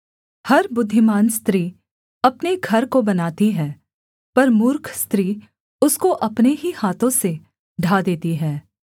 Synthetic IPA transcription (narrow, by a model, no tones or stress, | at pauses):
hɐɾbʊd̪ʱːɪmaːnst̪ɾiː | ɐpneɡʱɐɾkobɐnaːt̪iɦɛː | pɐɾmʊːɾkʰst̪ɾiː | ʊskoʔɐpneɦihaːt̪õse | ɖʱaːd̪eːt̪iɦɛː